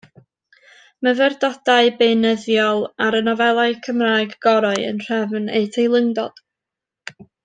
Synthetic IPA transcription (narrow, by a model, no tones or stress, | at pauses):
məvɛrdɔd̥aɨbenəðjɔlˠaɾənɔvɛlˠaɨkʰəmraːjɡɡɔɾaɨə̰nr̥ɛvneɨtʰejlˠəŋdɔ̰d̥